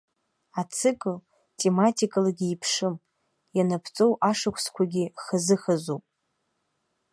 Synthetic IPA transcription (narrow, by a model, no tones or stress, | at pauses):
at͡sʰɨkʼɨl | tʰʼe̞matʰikʼalaɡʲiːpʰʂɨm | janapʰt͡sʼo̞wʔaʂakʷʰskʷʰaɡʲiχazɨχazopʼ